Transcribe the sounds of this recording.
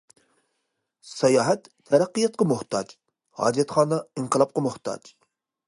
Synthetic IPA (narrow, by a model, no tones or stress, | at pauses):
sɑjɑːɦɛt̪ʰːɛɾæqːijɑt̪̚qɑmʊht̪ʰɑd͡ʒ | hɑ̰ːd͡ʒijɛt̪χɑːnɑiɴqəlˠɑp̚qɑmʊht̪ʰɑ̰d͡ʒ